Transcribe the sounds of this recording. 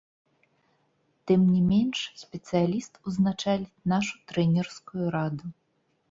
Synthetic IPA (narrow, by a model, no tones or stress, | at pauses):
t̪ɨmnʲimʲenʂsʲpʲɛt̪sɨjalʲist̪uznat͡ʂalʲinaʂu̥t̪ɾɛnʲɛrskujuɾad̪u